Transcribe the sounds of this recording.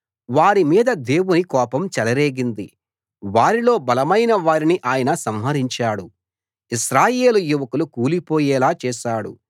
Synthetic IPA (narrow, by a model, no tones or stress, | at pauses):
ʋaːɾimiːd̪ɐd̪e̞ːwunikɔːpɐmt͡ʃɛlɐɾeːɡind̪i | ʋaːɾilo̞ːbɐlɐmɐjnɐʋaːɾiniʔaːjɐnɐsɐmɦɐɾiɲt͡ʃaːɽu | iʃɾaːje̞ːlujuʋɐkulukuːlipoːjɛːlaːt͡ʃɛːʃaːɽṵ